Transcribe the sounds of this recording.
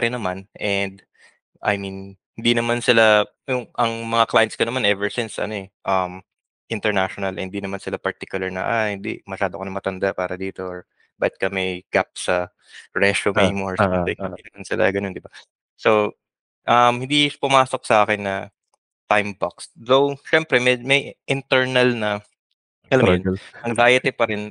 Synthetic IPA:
ɐɾɪnːɐmanʔɛnd̪ | ʔɐ̰jminhɪnd̪inɐmansɪla | jʊŋʔɐŋmɐŋaklajɐnskɐnɐmanʔɛvɛɹsɪnsɐ̰no̞ɛʔɐm | ʔɪnt̪ɛɹnaʃonɐlʔhɪnd̪iːnɐmansɪlapɐɹt̪ikjʊlɐɹnɐ̰ʔa̰hɪnd̪ḭʔmɐʃaːd̪oɐkonɐmɐt̪ɐnd̪aʔpaːɾɐd̪iːt̪o̞ɹ | baːɪt̪̚kɐmɐjɡ̥ap̚sɐ | ɹɛʃomejmoɹsɐɪŋhɪnd̪inɐmansɪlʔa̰ɡɐnond̪ɪba | so | ʔɐmhɪnd̪ipʊmaːso̞k̚sɐʔaːkɪnːɐ | t̪ajmbaksd̪owʃɛmpɾɛmɛmɐjʔɪnt̪ɛɹnɐlnɐ | ʔɐlɐmɛnɐŋd̪aːjɐt̪ɪpɐɾɪn

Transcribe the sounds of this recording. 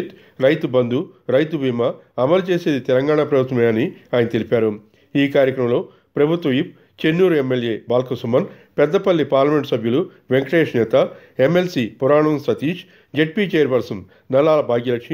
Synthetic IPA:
t̪ | ɾɐjt̪ubɐnd̪uɾɐjt̪ubʱiːma | ɐmɐlut͡ʃeːse̞ːd̪it̪ɛlɐŋɡaːɳaːpɾɐbʱut̪ʋɐmeɐniaːjɐnɐt̪ilipaːɾu | iːkaːɾjɐkɾɐmlo̞ː | pɾɐbʱut̪ʋɐip̚ | t͡ʃenːuːɾemːelje̞ːbaːlkɐsumɐn | pɛd̪ːɐpɐlːipaːɾlɐmeɳʈsɐbʱjulu | ʋeŋkʈeːʂnɛːt̪ɐ | emːelsipuɾaːɳɐnsɐt̪iːʃ | d͡ʒeʈ̚pit͡ʃejɐɾbɐɾsɐm | nɐlaːlɐbʱaːɡjɐlɐkʂi

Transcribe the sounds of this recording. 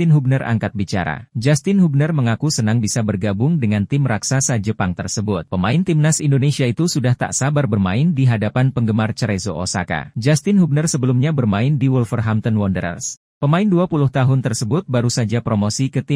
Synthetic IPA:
ɪnɦuɡ̚nəra̰ŋkat̪̚bit͡ʃa̰ɾa̰d͡ʒast̪ɪnɦuɡ̚nərməŋakusənaŋbisabərɡabʊŋdəŋant̪ɪmraksasad͡ʒəpaŋt̪ərsəbʊt̪̚pəmaɪnt̪ɪmnasindonesiait̪usudaht̪a̰ʔsabarbərmaɪndiɦadapanpəŋɡəmart͡ʃəɾezoʔo̰sa̰ka̰d͡ʒast̪ɪnɦuɡ̚nərsəbəlumɲabərmaɪndiwulfərɦamt̪ɔnwɔndəɾə̰ls | pəmaɪnduapulʊht̪aɦʊnt̪ərsəbʊt̪̚baɾusad͡ʒapɾomosikət̪ɪ

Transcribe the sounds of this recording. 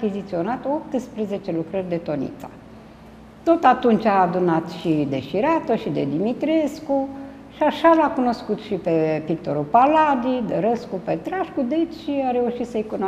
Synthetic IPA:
kʲizit̪sio̞nat̪op̚t̪ɨspɾəze̞t͡ʃe̞lukɾərʲd̪e̞t̪o̞nḭt̪sḁ̰ | t̪o̞t̪at̪unt͡ʃʲaːd̪unat̪ʃid̪e̞ʃiɾat̪oʃid̪e̞̰d̪imit̪ɾe̞sku | ʃiaʃalakuno̞skut̪ʃipe̞pik̚t̪o̞ɾupalad̪id̪eɾəskupet̪ɾaʃkud̪et͡ʃʲʃiaɾe̞uʃit̪səjkun

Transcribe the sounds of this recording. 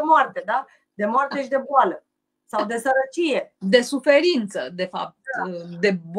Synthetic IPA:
emoart̪e̞d̪a | d̪e̞moart̪e̞ʃid̪e̞boalə | sawd̪e̞səɾət͡ʃije̞d̪e̞sufe̞ɾint̪səd̪e̞fa̰p̚t̪̚d̪e̞b

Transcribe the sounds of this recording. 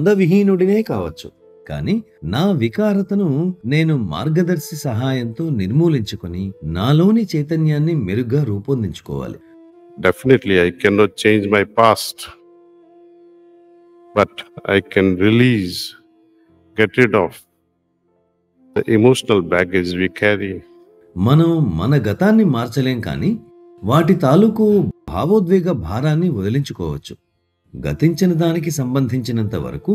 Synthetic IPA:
nd̪ɐʋiɦiːnuɽineːkaːʋɐt͡ʃːṵ | ka̰ːninaːʋikaːɾɐt̪ɐnune̞ːnuma̰ːɾɡɐd̪ɐɾsisɐɦaːjɐnt̪o̞ːniɾmuːliɲt͡ʃukoninaːlo̞ːnit͡ʃɐjt̪ɐnjaːnːimeɾuɡaːɾuːpɐnd̪iɲt͡ʃu̥kɔ̰ːʋa̰ːlḭ | ɖefineʈliajkɛnɔʈ̚t͡ʃẽːɲd͡ʒmajpaːsʈ | bɐʈa̰jkɛ̃nɾiliːz | ɡɛʈɪʈɔːf | d̪əʔimoːʃənɐlbæɡed͡ʒʋikʰæɾi | mɐnɐmmɐ̰nɐɡɐt̪aːnːimaːɾt͡ʃɐleːmka̰ːniː | ʋaːʈit̪aːlukubʱa̰ːʋoːd̪ʋɛːɡɐbʱaːɾaːnːiɔd̪ɐliɲt͡ʃukɔːʋɐt͡ʃːu̥ | ɡɐ̰t̪iɲt͡ʃinɐd̪aːnik̬isɐmbɐnd̪ʱiɲt͡ʃinɐnt̪ɐʋɐ̰ɾɐku

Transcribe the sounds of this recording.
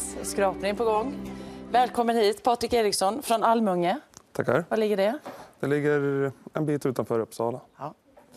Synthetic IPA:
skɾɑːpnɪŋpʰɔɡɔŋːvɛːlkʰɔmːənhiːt̪pʰɑːt̪ɾɪkeːɾɪksɔnfɾɔnalmɵŋːət̪ʰa̰khæ̰ɾvalɪɡːəɖɛd̪̥ɛlɪɡːəɾɛnbiːt̪ʉ̟ːt̪anfœːɾɵpːsɑːla

